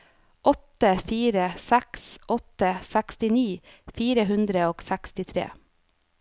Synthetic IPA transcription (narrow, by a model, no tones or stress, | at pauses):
ʔɔt̪əfiːɾəsæksʔɔt̪əsækst̪ɪniː | fiːɾəɦʉnd̪ɾəoːɡsækst̪ɪt̪ʰɾḛː